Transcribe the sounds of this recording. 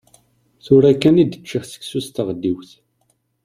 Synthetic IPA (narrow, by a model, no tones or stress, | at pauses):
θʊɾækːænid̪ət͡ʃːiχsə̥ksust̪əʁəd̪ːiwθ